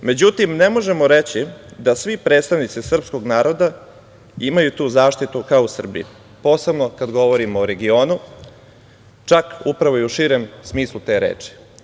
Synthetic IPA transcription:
me̞d͡ʑut̪imne̞mo̞ʒe̞moɾe̞t͡ɕid̪asʋipɾe̞ːt̪st̪aʋnit̪sisr̩psko̞ɡnaːɾo̞d̪a | imajut̪uːzaːʃt̪it̪ukaousr̩bḭ | po̞ːse̞bnokad̪ɡo̞ʋo̞ɾimoːɾe̞ɡio̞ːnu | t͡ʃakupɾaʋo̞iuʃiːɾe̞msmiːslˠut̪e̞ːɾḛːt͡ʂi̥

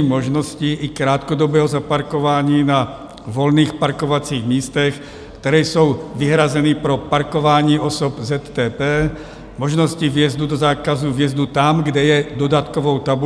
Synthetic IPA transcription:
mɔʒnɔsciʔikɾaːt̪kɔd̪ɔbɛːɦɔzapaɾkɔʋaːɲiːna | ʋɔlniːxpaɾkɔʋat͡siːɣmiːst̪ɛx | kt̪ɛɾɛːjsɔʊʋiɦɾazɛnipɾɔpaɾkɔʋaːɲiːʔɔsɔbzɛt̪ːɛːpɛː | mɔʒnɔsciʋɪɛzd̪ud̪ɔzaːkazuvɪɛzd̪ut̪amɡdɛjɛd̪ɔd̪at̪kɔʋɔʊt̪abu

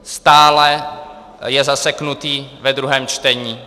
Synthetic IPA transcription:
st̪aːlɛ | jɛzasɛknut̪iːvɛd̪ɾuɦɛːmt͡ʃt̪ɛɲiː

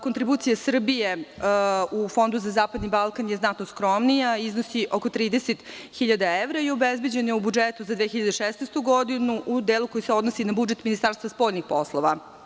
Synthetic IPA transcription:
kot̪ɾibuːt̪sijasr̩bije̞ | ufo̞nd̪uzazaːpad̪nibalˠkanjeznat̪noskɾo̞mnijaiznosiʔo̞kot̪ɾiːd̪eset̪xiʎad̪aeʋɾajobezbe̞d͡ʑenjeubud͡ʒet̪uzad̪ʋeːxçiʎad̪eʃesnejst̪uɡo̞d̪inuʔud̪eːlukojiseo̞d̪nosinabud͡ʒet̪minist̪aːɾst̪ʋaspo̞ːʎnixpo̞slˠoʋa

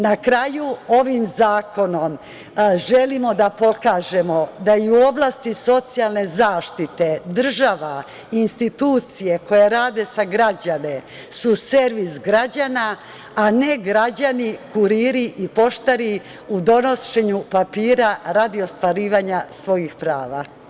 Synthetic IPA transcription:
nakɾajuo̞ʋimzaːko̞no̞m | ʒe̞limo̞d̪apo̞kaːʒe̞mo̞d̪aiuo̞blˠast̪iso̞t̪sijalˠne̞zaːʃt̪it̪e̞d̪r̩ʒaʋa | inst̪it̪uːt̪sijeko̞jeɾaːd̪e̞saɡɾad͡ʑane̞ | suse̞ɾʋisɡɾad͡ʑana | ane̞ɡɾad͡ʑanikuɾiːɾiʔipo̞ʃt̪aɾi | ud̪o̞no̞ʃe̞ɲupapiːɾaɾaːd̪io̞st̪ʋaɾiːʋaɲasʋo̞jixpɾaːʋa

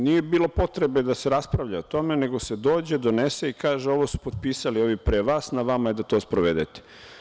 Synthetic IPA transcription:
nijebiːlˠo̞po̞t̪ɾebe̞d̪ase̞ɾaspɾaʋʎaot̪o̞me̞ne̞ɡo̞se̞d̪o̞ːd͡ʑe̞d̪o̞nese̞ikaːʒeo̞ʋosu̥pod̪̚piːsalio̞ʋipɾeʋaːsnaʋamaid̪at̪o̞ːspɾoʋed̪et̪e̥

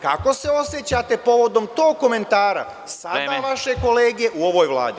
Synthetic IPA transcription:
kako̞se̞o̞sjet͡ɕat̪e̞po̞ʋo̞d̪o̞mt̪o̞ːɡ̚kːo̞me̞nt̪aːɾa̰ | sad̪aːʋaʃe̞ko̞le̞ːɡeʔuo̞ʋojʋlˠa̰ːd̪i

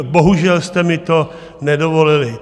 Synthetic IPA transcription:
bo̞ɦuʒɛlst̪ɛmɪt̪o̞ | nɛdovo̞lɪlɪ

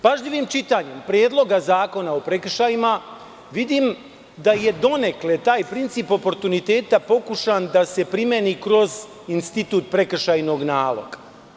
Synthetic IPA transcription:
paʒʎiʋimt͡ʃit̪aɲe̞mpɾje̞ːd̪lˠo̞ɡazaːko̞naopɾek̩ʃajima | ʋid̪iːm | d̪aje̞d̪o̞ne̞klet̪aːjpɾint̪siːpo̞po̞ɾt̪unit̪e̞ːt̪apo̞kuʃand̪ase̞pɾimjenikɾo̞z | inst̪it̪uːt̪̚pɾe̞kr̩ʃajno̞ɡnaːlˠo̞̰ɡḁ

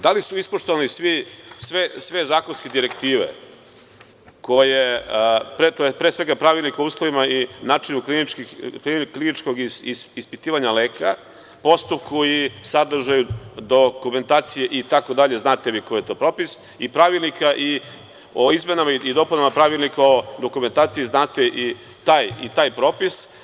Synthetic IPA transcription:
d̪alisuispoʃt̪oʋanisʋisʋesʋezaːkonsked̪iɾe̞kt̪iːʋḛ | ko̞jepɾet̪ojepɾesʋe̞ɡapɾaʋilnikouːslˠoʋimainaːt͡ʂinuklinit͡ʃkiiklinit͡ʃkoɡiispit̪iːʋaɲaleːkʰa | po̞st̪up̚kʰojisad̪r̩ʒajud̪okume̞nt̪aːt̪sijeʔit̪ako̞d̪aʎe̞znaːt̪eʋikoje̞t̪o̞ːpɾo̞ːpis | ipɾaʋilˠnikaʔi | oizmenamaiid̪o̞punamapɾaʋilˠnikaod̪o̞kume̞nt̪aːt̪sijiznaːt̪eʔi | t̪aːjḭt̪aːjpɾo̞ːpis

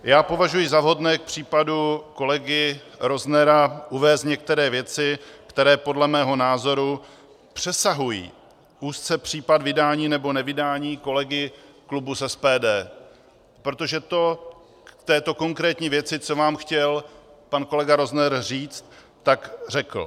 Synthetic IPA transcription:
jaːpo̞vaʒujɪzavɦo̞dnɛːk̚pr̝̥iːpaduko̞lɛɡɪ | ɾo̞znɛɾaʔuvɛːsɲɛk̚t̪ɛɾɛːvjɛt͡sɪkt̪ɛɾɛːpo̞dlɛmɛːɦo̞naːzo̞ɾu | pr̝̥ɛsaɦujḭː | ʔuːst͡sɛpr̝̥iːpadvɪdaːɲiːnɛbo̞nɛvɪdaːɲiːko̞lɛɡɪklubusɛspɛːdɛː | pɾo̞t̪o̞ʒɛt̪o̞ | kt̪ɛːt̪o̞ko̞ŋkɾɛːt̪ɲiːvjɛt͡sɪt͡so̞vaːmxcɛlpanko̞lɛɡaɾo̞znɛɾriːt͡st̪ː | akr̝ɛkl̩

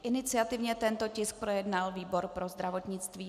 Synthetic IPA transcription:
ʔɪnɪt͡sɪat̪ɪvɲɛt̪ɛnt̪o̞cɪsk̚pɾo̞jɛdnalviːbo̞ɾpɾo̞zd̪ɾavo̞t̪ɲɪt͡st̪viː

